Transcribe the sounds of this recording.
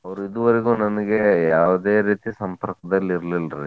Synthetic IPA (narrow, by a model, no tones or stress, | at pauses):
ɐʋɐɾuid̪uʋɐɾeɡuːnɐnɐɡe̞jaːʋud̪e̞ːɾiːt̪isɐmpɐɾkɐd̪ɐlːiɾlilɾḭ